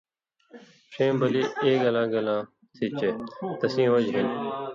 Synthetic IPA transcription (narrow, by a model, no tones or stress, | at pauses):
ʃẽːmbəliːeːɡəlãːɡəlãː | t̪ʰiːt͡ʃeːt̪əsĩːʋəd͡ʒɦɪn